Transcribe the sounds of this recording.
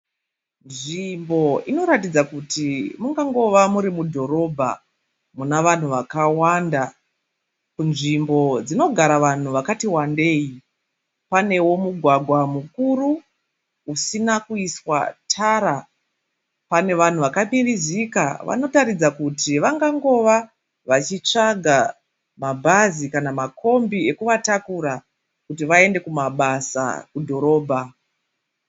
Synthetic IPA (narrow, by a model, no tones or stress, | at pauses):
nʐimbo̞ino̞ɾatid͡zakutimuŋɡaŋɡo̞ʋamuɾimudʱo̞ɾo̞bʱa̰ | munaʋan̤uʋakawanda | kunʐimbo̞d͡zino̞ɡʱaɾaʋan̤uʋakatiwande̞ji | pane̞wo̞muɡʱwaɡʱwamukuru | usinakuiswa̰tʰaɾa | pane̞ʋan̤uʋakamirizika̰ʋa̰no̞taɾid͡zakutiʋaŋɡaŋɡo̞ʋa | ʋat͡ʃit͡ʂaɡʱa | mabʱazikanamako̞mbie̞kuʋatakuɾa | kut̬iʋae̞nde̞kumaɓasa̰kudʱo̞ɾo̞ːbʱa